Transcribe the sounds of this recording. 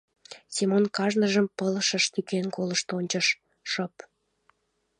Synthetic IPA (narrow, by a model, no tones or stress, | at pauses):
sʲimonkɑʒnəʒəmpələʃəʃt̪ykenkoləʃt̪onʲt͡ɕəʃ | ʃəp